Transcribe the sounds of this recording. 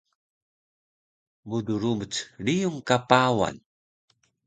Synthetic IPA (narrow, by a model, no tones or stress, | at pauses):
muduɾumət͡sɭijuŋkapawa̰n